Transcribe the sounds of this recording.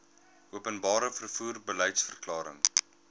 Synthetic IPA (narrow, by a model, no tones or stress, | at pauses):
ʔuəpənbɑːɾəfərfuːrbəlɛjtsfərklɑːɾəŋ